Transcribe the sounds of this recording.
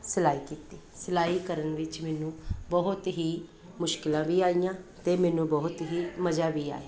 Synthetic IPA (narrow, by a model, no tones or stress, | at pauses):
sɪlaːiːkiːt̪iːsɪlaːiːkəɾənʋɪt͡ʃmɛːnũːbɔɦʊt̪ɦiː | mʊʃkɪlãːʋiːaːijãːt̪eːmɛːnũːbɔɦʊt̪ɦiːməd͡ʒaːʋiːa̰ːe